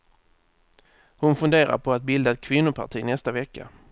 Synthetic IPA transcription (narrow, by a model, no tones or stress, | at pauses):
hʊnfɵnd̪eːɾa̰ɾpʰɔat̪̚bɪld̪aɛt̪̚kʰvɪnːʊpʰa̰ʈʰiːnɛst̪avɛkːa̰